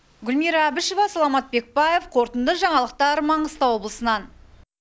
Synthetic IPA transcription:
ɡʲʏlmiɾɑːbɪʃovɑsɑlˠɑmɑt̪̚be̞k̚bɑje̞fqʰo̞ɾt̪ənd̪əʒɑɴɑlˠəq̚t̪ɑɾmɑɴəst̪ɑwo̞blˠəsənɑn

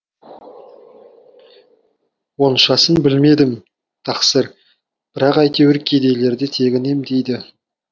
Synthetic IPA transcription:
wo̞nʃɑsənbɪlme̞d̪ɪm | t̪ʰɑqsəɾ | b̥ɪɾɑqɑjt̪e̞wɪɾkʲʰe̞d̪e̞jle̞ɾd̪e̞t̪ʰe̞ɡʲɪne̞md̪ejd̪ɪ

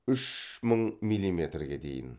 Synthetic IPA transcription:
ʏʃməɴmilʲˠːime̞t̪rɡʲe̞d̪e̞̰jɪ̰n

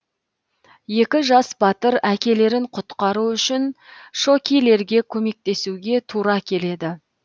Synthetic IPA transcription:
je̞kʲɪʒɑsbɑt̪əɾækʲe̞le̞ɾɪɴqʰʊt̪qɑɾuʏʃɪnʃo̞kʲijle̞ɾɡʲe̞kʲʰɵme̞k̚t̪e̞suɡʲe̞t̪ʰuɾɑkʲʰe̞le̞d̪ɪ

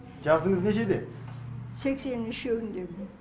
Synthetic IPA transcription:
d͡ʒɑsəɴəzneʃed̪e | sekseniʃøwind̪em

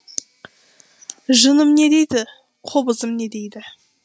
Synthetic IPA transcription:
ʒənəmne̞d̪e̞jd̪ɪ | qʰobəzəmne̞d̪e̞jd̪ɪ

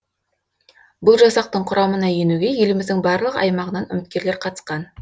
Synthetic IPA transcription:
bʊlˠʒɑsɑq̚t̪əɴqʰʊɾʔɑmənɑje̞nuɡʲe̞jelɪmɪzd̪ɪŋbɑɾlˠəqɑ̰jmɑʁənɑnʏ̰mɪt̪kʲe̞ɾle̞ɾqʰɑt̪ə̥sqɑn

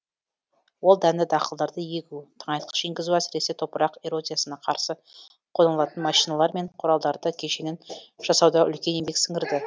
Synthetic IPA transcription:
wo̞lˠd̪ænd̪ɪd̪ɑqəlˠd̪ɑɾd̪əje̞ɡʲut̪ʰəɴɑjt̪qʰə̥ʃeŋɡʲɪzuæsɪɾe̞sɪt̪ʰo̞pəɾɑqe̞ɾo̞zijasənɑqʰɑɾsə | qʰo̞nɑlˠɑt̪ənmɑʃijnɑlˠɑɾme̞ɴqʰʊɾɑlˠd̪ɑɾd̪əkʲʰe̞ʃenenʒ̥ɑsɑwd̪ɑʔʏ̰lkʲe̞ne̞mbe̞ksɪŋɡʲɪɾd̪ɪ

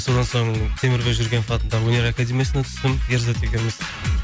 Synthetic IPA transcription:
so̞d̪ɑnso̞ɴt̪ʰe̞mɪɾbeʒʏɾɡʲe̞nfɑt̪ənd̪ɑwɵne̞ɾakad̪ʲemʲijasɪnet̪ʰʏ̥st̪ɪmjeɾzət̪ʰekʲeɾmɪs

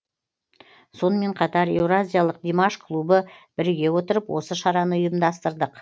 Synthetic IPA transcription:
so̞nəme̞ɴqʰɑt̪ɑɾe̞wɾazʲijalˠəqd̪emaʃkʰlˠubəb̥ɪɾɡʲe̞wo̞t̪əɾəpwʔo̞səʃɑɾɑnəʊjəmd̪ɑst̪əɾd̪əq

